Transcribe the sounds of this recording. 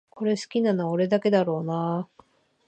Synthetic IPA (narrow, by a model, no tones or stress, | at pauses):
kʰo̞ɾe̞sɨ̥kʲinanaoɾe̞d̪ake̞d̪aɾo̞ːna